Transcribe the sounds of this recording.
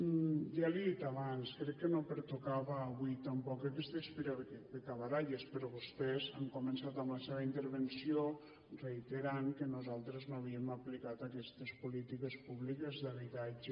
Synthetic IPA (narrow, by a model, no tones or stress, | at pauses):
ʒaliðit̪aβanskɾɛkːənopəɾt̪ukaβaːβuit̪ampɔkakɛst̪espiɾaβekebekaβaɾaʎespəɾɔβust̪ɛzaŋkumensat̪amlaseβaint̪əɾβensio | rejt̪eɾaŋkənuzalˠt̪ɾeznoaβiemaplikat̪akɛst̪əspulit̪ikespuβlikezðaβit̪ad͡ʒe